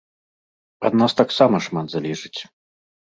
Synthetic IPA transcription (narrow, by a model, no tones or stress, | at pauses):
ɐ̰d̪nast̪aksamɐʂmad̪zalʲiʐɨt͡sʲ